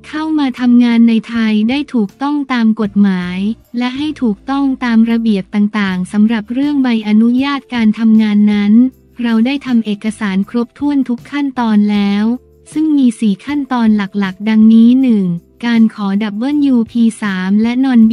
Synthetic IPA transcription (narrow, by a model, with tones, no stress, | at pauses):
kʰa˥˩wmaː˧t̪ʰa˧mŋaː˧nːa˧jt̪ʰa˧jdaː˥˩jt̪ʰuː˨˩k̚t̪ɔ˥˩ŋt̪aː˧mko˨˩t̪̚maː˩˦j | lɛ˦˥ʔɦa˥˩jt̪ʰuː˨˩k̚t̪ɔ˥˩ŋt̪aː˧mɾa˧bi˨˩əp̚t̪aː˨˩ŋt̪aː˨˩ŋsa˩˦mɾa˨˩p̚ɾɯ˥˩əŋba˧jʔa˧nu˦˥jaː˥˩t̪̚kaː˧nt̪ʰa˧mŋaː˧nːa˦˥n | ɾa˧wdaː˥˩jt̪ʰa˧mʔeː˨˩kːa˧saː˩˦nkʰɾo˦˥p̚t̪ʰu˥˩ənt̪ʰu˦˥kʰːa˥˩nt̪ɔː˧nlɛː˦˥w | sɯ˥˩ŋmiː˧siː˨˩kʰa˥˩nt̪ɔː˧nla˨˩k̚la˨˩k̚da˧ŋniː˦˥nɯ˨˩ŋkaː˧nkʰɔː˩˦da˨˩p̚bɤː˥˩njuː˧pʰiː˧saː˩˦mlɛ˦˥nɔː˧n